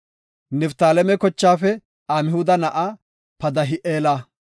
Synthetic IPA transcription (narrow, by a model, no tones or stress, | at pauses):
nɛft̪aːlɛmɛkɔt͡ʃːaːfɛ | aːmɪhʊd̪ɐnɐʔa | pɐd̪ɐɦɪʔeːlaː